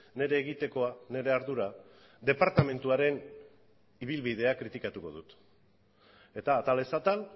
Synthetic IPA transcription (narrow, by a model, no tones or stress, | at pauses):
ne̞ɾe̞ːɣit̪e̞ko̞ane̞ɾe̞aɾðuɾa | d̪e̞paɾt̪ame̞nt̪uaɾe̞n | iβ̞ilβiðe̞akɾit̪ikat̪uko̞̰ðut̪ | e̞t̪aːt̪ale̞sat̪al